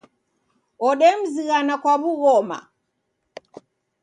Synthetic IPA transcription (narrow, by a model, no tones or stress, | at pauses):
ɔɗɛm̩ziɣanakwaβuɣɔma̰